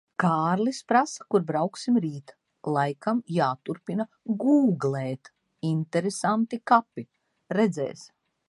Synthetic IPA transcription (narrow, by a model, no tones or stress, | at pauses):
kaːɾlispɾasḁkuɾbɾawksimɾiːt̪ | lˠajkamjaːt̪uɾpina | ɡuːɡlɛːt̪ | int̪ɛɾesant̪ikapi | ɾɛd̪zɛ̰ːs